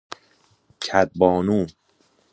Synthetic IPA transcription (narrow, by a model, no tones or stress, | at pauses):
cʰæd̪̚bɒːnuː